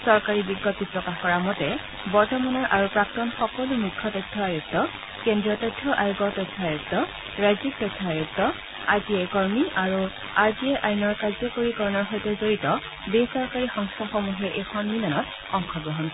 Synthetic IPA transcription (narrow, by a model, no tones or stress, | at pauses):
sɔɹkaɹibiɡːɔt̚ipɹɔkaxkɔɹamɔtɛ | bɔɹtɔmanɔɹʔaɹupɹak̚tɔnxɔkɔlumukʰːɔtɔtʰːɔajuk̚tɔ | kendɹiɔtɔtʰːɔʔajuɡɔtɔtʰːɔajuktɔ | ɹajzik̚tɔtʰːɔajuk̚tɔ | azijɛkɔɹmiʔaɹu | aɹziɛʔajnɔɹkazɔkoɹikɔɹɔnɔɹɦɔjtɛzoɹitɔ | bejsɔɹkaɹixɔŋstʰaxomuɦɛʔexʰɔnminanɔt | ɔŋkʰɔɡɹɔɦɔnk